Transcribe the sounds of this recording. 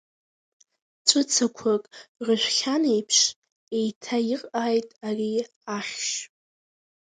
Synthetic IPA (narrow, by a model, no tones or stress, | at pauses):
t͡ʃʷʼʊt͡sʰakʷʰakʼrəʃʷᶣχʲane̞jpʰʂ | e̞jtʰaiqʼaːjtʼari | aχʲʃ